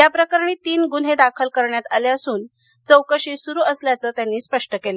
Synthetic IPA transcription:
j̪japɾəkəɾɳ̃iːt̪iːnɡunɦed̪akʰəlkəɾɳjat̪aleəsuːn | t͡səwkəɕiːsuɾuːəsljat͡səːt̪janːiːspəʂʈəkele

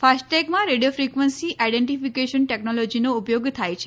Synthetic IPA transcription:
fasʈʈeɡmãɾeɖijofɾikʋənsiʔaiɖeɳʈifikeʃənʈeknɔlɔd͡ʒinoupjoɡt̪ʰajt͡ʃʰe̥

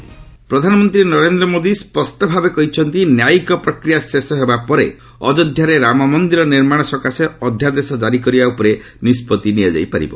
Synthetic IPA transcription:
pɾɔd̪ʱanɔmɔnt̪ɾinɔɾend̪ɾɔmod̪ispɔsʈɔbʱabekɔɦit͡ʃʰɔnt̪injaikɔpɾɔkɾijasesɔɦebapɔɾe | ɔ̰d͡ʒɔd̪ʱjaɾeɾamɔmɔnd̪iɾɔniɾmaɽ̃ɔsɔkaseɔd̪ʱjad̪esɔd͡ʒaɾik̬ɔɾibaupɔɾe | nispɔt̪iniad͡ʒa̰jpaɾḭbɔ

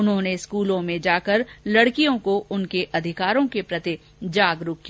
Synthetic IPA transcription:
ʊnɦõːneɪskuːlõmẽd͡ʒaːkəɾlɐɽkijõkoʊnkeʔɐd̪ʱɪkaːɾõkepɾɐt̪i | d͡ʒaːɡɾʊkkːia

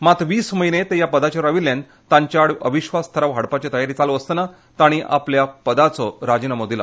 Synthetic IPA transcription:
mat̪ʋiːsməɦinet̪ejapəd̪at͡ɕaɾəʋiljãn | t̪ãɲt͡ɕjaɽəʋiɕʋast̪ʰəɾaʋɦaɽpat͡ɕet̪əjaɾit͡saloəst̪əna | t̪aɽ̃iʔa̰pljapəd̪at͡sɔɾad͡ʑinəmod̪ʱila̰

